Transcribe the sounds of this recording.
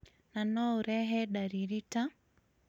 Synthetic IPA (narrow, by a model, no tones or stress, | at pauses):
nanɔuɾɛɦɛɗaɾiɾita